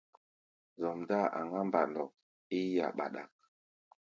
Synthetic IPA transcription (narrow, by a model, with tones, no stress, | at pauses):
zɔ˨mda˦a̰˨ŋɡa˦mba̰˨ndɔ˨k̚ | i˦ja̰˨ɓa̰˨ɗa̰˨k̚